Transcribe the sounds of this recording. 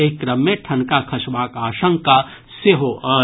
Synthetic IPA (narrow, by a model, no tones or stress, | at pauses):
eːkːɾɐmːẽʈʰɐ̃nkakʰɐʃʋaːkaːʃə̃ŋka | seɦoʔɔː